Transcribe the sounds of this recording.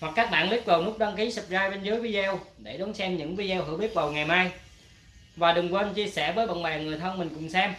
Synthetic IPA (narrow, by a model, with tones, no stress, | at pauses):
hwa˨˩k̚ːaː˦˥k̚ɓa̰ː˧˨nli˦˥k̚və˨˩wnu˦˥k̚ɗwaː˧ŋki˨˦sɨ˨˩p̚zaː˧jt͡ɕe˧nzəː˨˦jvi˧zɛ˧wɗe˧˩ɗɔ˨˦nsɛ˧mɲɨ̰˧˥ŋvi˧zɛ˧whɨ˧˩˦wɓi˦˥ət̚və˨˩wŋa˨˩jmaː˧j | vaː˨˩ɗɨ˨˩ŋkwe˧nt͡ɕi˧əsɛ˧˩vəː˨˦jɓə̰˧˨nɓɛ˨˩ŋɨ˨˩əjt̪ʰə˧nmï˨˩ŋ̟kʊ̰˧˥ŋ͡msɛ˧m